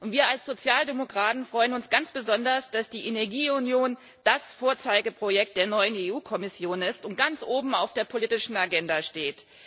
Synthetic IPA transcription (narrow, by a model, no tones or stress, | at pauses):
ʔʊntv̥iːɐalsz̥ot͡sjaːldemokʁ̥aːtn̩fʁ̥ɔʏənʊnsɡ̥ant͡sb̥əzɔndɐsd̥asd̥iːʔenɛɐɡiːʊnjoːn | d̥asfoːɐt͡saɪɡəpʁ̥ojɛk̚t̚d̥eːɐnɔʏəneːuːkʰɔmɪsjoːnɪstʊnt̚ɡ̥ant͡sʔoːbm̩aʊfd̥eːɐpʰoliːtɪʃn̩aɡɛndaʃteːt